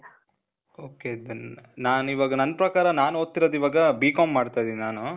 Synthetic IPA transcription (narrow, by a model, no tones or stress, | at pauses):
oːked̪nnaːniʋaːɡɐnɐnːɐpɾɐkaːɾɐnaːnoːt̪ːiɾoːd̪iʋaːɡɐbiːkaːmːaːɖt̪ajd̪ininaːnu